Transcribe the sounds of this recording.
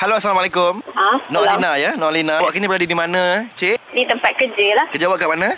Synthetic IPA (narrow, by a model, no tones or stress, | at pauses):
haloasalamalekʊmanɔlinajanɔʔlinawaʔkinibəɾadidimanə̃t͡ʃeʔdit̪əmpat̪̚kəd͡ʒəlahkəd͡ʒawaʔkaʔmanə̃